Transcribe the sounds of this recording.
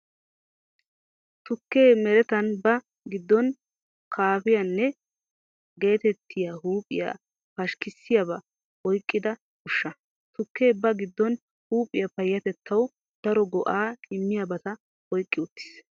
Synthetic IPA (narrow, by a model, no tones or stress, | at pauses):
t̪ʊkːe̞ːmɛɾɛt̪ɐnbɐ | ɡɪd̪ːɔn | kʰaːfɪjɐnːɛ | ɡe̞ːt̪ɛt̪ʰːɪjaɦuːpʼɪja̰ | pɐʃkɪsːɪjɐbɐ | ɔjkʼːɪd̪ɐ | kʊʃːɐ | t̪ʊkːe̞ːbɐɡɪd̪ːɔn | huːpʼːɪjɐpɐjːɐt̪ɛt̪ʰːɐw | d̪̥ɐɾɔɡɔʔaːɪmːɪjabɐt̪ɐ | wɔjkʼːɪʊt̪ːɪ̥s